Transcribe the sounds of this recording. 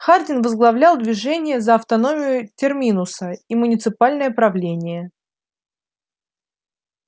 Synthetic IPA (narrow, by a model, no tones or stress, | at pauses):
xard̪ʲɪnvəzɡlˠɐvlʲalˠd̪vʲɪʐɛnʲɪjəzəːft̪ɐno̞mʲɪjʊtʲɪrmʲinʊsəimʊnʲɪt̪sɨpalʲnəjəpɾɐvlʲenʲɪjə